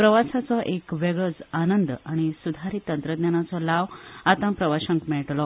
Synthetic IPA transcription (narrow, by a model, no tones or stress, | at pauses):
pɾəʋasat͡sɔʔekʋɛɡɭəd͡zanənd̪aɽ̃isud̪ʱaɾiːt̪ənt̪ɾəd̪njanat͡sɔlaʋat̪ãpɾəʋaɕəŋkmɛɭʈlɔ